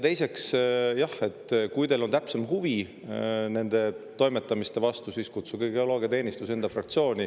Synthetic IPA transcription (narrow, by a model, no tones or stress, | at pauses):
t̪e̞jse̞ksjɑhe̞t̪ːkujt̪e̞lo̞nt̪æpse̞mɦuvi | ne̞nd̪̥e̞t̪o̞jme̞t̪ːˑɑmist̪e̞vɑst̪usiːskut̪suɡ̥eiɡ̥̪eo̞lo̞ːɡijɑt̪e̞ːnʲist̪use̞nd̪̥ɑfrɑk̚t̪sio̞ːnʲi